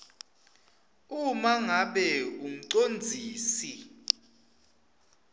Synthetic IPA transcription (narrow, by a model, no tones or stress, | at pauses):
umaŋaɓɛum̩ǀond͡zʱiːsi